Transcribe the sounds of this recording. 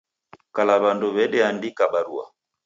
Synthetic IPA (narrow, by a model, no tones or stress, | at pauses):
kalaβanduβɛɗɛandikabaɾua̰